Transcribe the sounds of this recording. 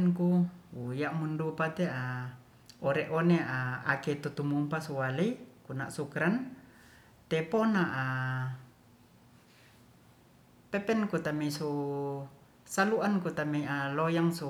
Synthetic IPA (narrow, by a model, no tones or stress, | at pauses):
nkuujaʔmundupat̪eʔa | oɾɛʔoneʔaa̰ket̪ut̪umumpasuwaleikuna̰ʔsukɾan | t̪ɛponaʔa | pepɛnkut̪ameisu | saluʔankut̪ameiʔalojaŋsu